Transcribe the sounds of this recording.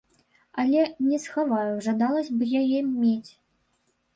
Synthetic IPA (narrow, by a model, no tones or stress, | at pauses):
alʲɛnʲɛsxavajuʐad̪ɑlˠɐsʲbɨjajɛmʲet͡sʲ